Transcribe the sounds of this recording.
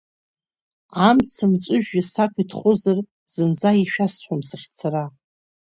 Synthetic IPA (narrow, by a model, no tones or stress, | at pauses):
amt͡sʰɨmt͡ʃʷʼʊʒᶣasakʷʰitʰχʷozar | z̥ɨnzaiʃᶣasħʷamsɨχʲt͡sʰara